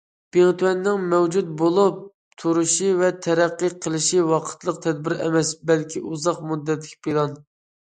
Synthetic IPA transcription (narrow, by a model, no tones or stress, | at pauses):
b̥eŋt̪uwɛnːɪŋmɛwd͡ʒut̪̚bolˠup̚ | t̪ʰuɾuʃivɛt̪ʰɛɾɛqːəqʰəlˠɨʃiwɑqʰə̥t̪lˠəq̚t̪ʰɛd̪̚bɪɾɛ̰mɛsbɛlkʲʰiʔuzɑqmud̪ːɛt̪lɪ̥kʲpelˠɑn